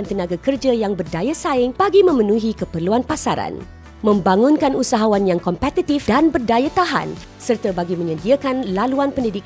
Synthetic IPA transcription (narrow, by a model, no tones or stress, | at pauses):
nt̪ənãɡakərd͡ʒajaŋbərdajasaɪŋb̥aɡimə̃mənũɦikəpərluanpasaɾa̰n | mə̃mbaŋũnkanusaɦawanjaŋkɔmpɛt̪it̪ifdanbərdajat̪aɦa̰n | sərt̪abaɡimə̃ɲə̃diakanlaluanpəndidik